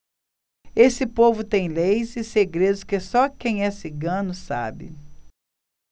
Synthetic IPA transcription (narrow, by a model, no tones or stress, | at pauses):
esɪpovʊt̪ẽj̃lejzɪseɡɾed̪ʊskesɔkẽj̃ɛsɪɡɐ̃nʊsa̰bɪ̰